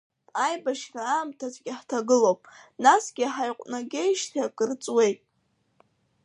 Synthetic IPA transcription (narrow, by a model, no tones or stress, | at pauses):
ajbaʃraamtʰazɡʲɪħtʰaɡɨlowpʼnasɡʲɪaħajqʷʼnaɡʲejʃtʰakʼɨrt͡sʼwe̞jtʼ